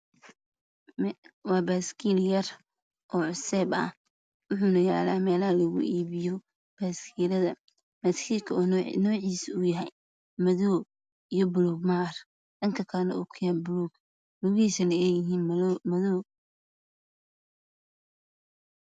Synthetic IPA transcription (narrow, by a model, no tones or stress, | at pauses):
mwɑːbaːskʰiljɐr | ʔɔːʕʊsɛːbɐ̰h | wʊħuːnɐja̰ːlaːmɛːlɐhɐlɐɣʊ̰ʔiːβɪjɔ | b̥aːskʰiːlɐðɐ | mɐt̪kʰikʰɐɔnnɔːʕiːsʊjɐɦɛj | mɐðɔː | ijɔbluɡmaːr | dɐŋkʰɐkʰaːnɐ̰ʊkʰʊjabluɡ | luɣiːsɐnɐɛjɪɦiːnmmɐðɔː